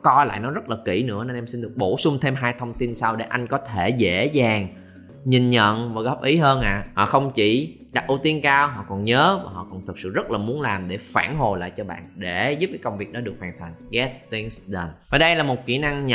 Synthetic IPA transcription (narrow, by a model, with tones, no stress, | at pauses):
kɔ˧jla̰ː˧˨jnɔ˨˦zə˦˥t̚laː˨˩kḭ˧˩nɨ̰˧˥əne˧nʔɛ˧msi˧nɗɨ˨˩ək̚ɓo˧˩sʊ˧ŋ͡mt̪ʰe˧mɦaː˧jt̪ʰə˧wŋ͡mt̪i˧nsaː˧wɗe˧˩ʔa˧jŋ̟kɔ˨˦t̪ʰe˧˩zḛ˧˥zaː˨˩ŋ | ɲi˨˩nɲə̰˧˨nvaː˨˩ɣɔ˦˥p̚ʔi˨˦ɦəː˧nʔa̰ː˧˨hɔ̰˧˨xə˧wŋ͡mt͡ɕḭ˧˩ | ɗa˨˩k̚ʔu˧t̪i˧ənkaː˧wɦɔ̰˧˨kɔ˨˩nɲəː˨˦vaː˨˩ɦɔ̰˧˨kɔ˨˩nt̪ʰɨ˨˩k̚sɨ̰˧˨zə˦˥t̚laː˨˩mu˨˦ənlaː˨˩mɗe˧˩faː˧˩nɦo˨˩jla̰ː˧˨jt͡ɕɔ˧ɓa̰ː˧˨nɗe˧˩zu˦˥p̚kaː˨˦kə˧wŋ͡mvi˨˩ək̚ɗɔ˨˦ɨ˨˩ək̚waː˨˩ŋt̪ʰə˨˩ŋ̟ɣɛ˦˥t̚t̪i˧nsɗə˨˩nvaː˨˩ɗə˧jlaː˨˩mo˨˩t̚ki˧˩na˧ŋɲ˧